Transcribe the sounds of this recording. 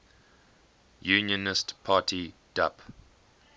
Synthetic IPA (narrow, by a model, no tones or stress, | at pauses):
juːnjənɪstpʰaːtʰid̥a̰p